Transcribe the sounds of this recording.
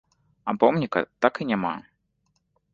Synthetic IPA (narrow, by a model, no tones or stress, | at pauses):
apɔmnʲikɐ̰t̪akɨnʲama̰